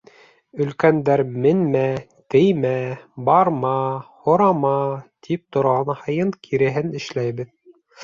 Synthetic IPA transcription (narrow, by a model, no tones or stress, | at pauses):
ɵ̆lkænd̪æɾmɘ̆nmæ | t̪ɘjmæbɑɾmɑhŏɾɑmɑt̪ʰip̚t̪ŏɾʁɑnhɑjɤŋkʰiɾɘ̆ɦɘnɘ̆ʃlæjβɘð